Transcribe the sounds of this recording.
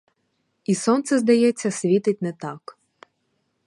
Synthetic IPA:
isɔnt̪sɛzd̪ɐjɛt͡sʲːɐsʲʋʲit̪ɪtʲnɛt̪ɑk

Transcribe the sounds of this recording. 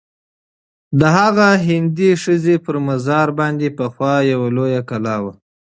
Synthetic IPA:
d̪əɦaɣaɦɪnd̪iʂəzepəɾmazɑɾbɑnd̪epəxwɑjawalojakalɑwa

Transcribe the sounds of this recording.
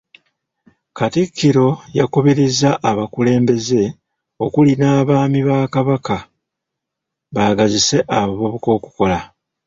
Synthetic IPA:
katikʰːiɾo̞jakuβiɾizaʔːβakule̞ːmbe̞ze̞ | o̞kulinaːβaːmiβaːkaβaka | βaːɡazise̞ʔaβaβo̞βuko̞ːku̥ko̞la

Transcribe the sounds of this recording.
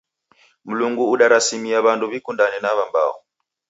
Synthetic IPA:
m̩luŋɡuːɗaɾasimiaβanduβikundanɛnaβamba̰ɔ̰

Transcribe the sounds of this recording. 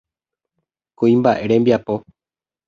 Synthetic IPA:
koĩmbaʔeɾe̞mbjapo̞

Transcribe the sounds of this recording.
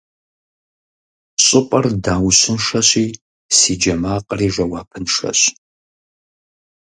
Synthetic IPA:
ɕʼɪpʼɐrdaːwɕɪnʂɐɕiː | siːd͡ʒɐmaːqʼəriːʒʷɐwaːpʰɨnʂɐ̰ɕ

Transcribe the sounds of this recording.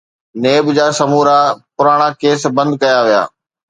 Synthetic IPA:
neːbd͡ʑaːsɐmuːɾapʊɾaːɽ̃akeːsbɐ̃nd̪̚kɐjaʋija̰ː

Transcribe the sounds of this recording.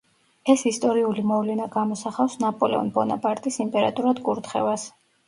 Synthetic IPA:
ɛsist̪ʼɔɾiulimɔvlɛnaɡamɔsaχafsnapʼɔlɛ̰ɔ̰nbɔna̰pʼaɾt̪ʼisimpʼɛɾa̰t̪ʼuɾad̪kʼuɾt̪χɛ̰vas

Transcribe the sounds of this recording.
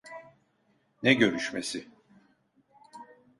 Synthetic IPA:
nɛɟø̞ɾyʃmesɪ

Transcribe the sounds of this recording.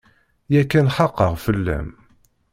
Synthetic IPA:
jækːænħɑqːəʁfəlːæ̰m

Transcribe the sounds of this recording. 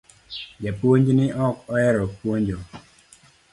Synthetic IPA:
d͡ʒapwoɲd͡ʒnɪʔɔkɔɛɾɔpwoɲd͡ʒo

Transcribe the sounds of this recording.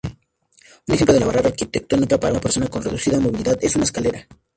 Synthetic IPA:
unexemplo̞ðelaβaraɾaɾkit̪ek̚t̪o̞nikapaɾaunape̞ɾso̞nako̞nre̞ðusiðamo̞βiliðaðe̞s̬unaeskale̞ɾa

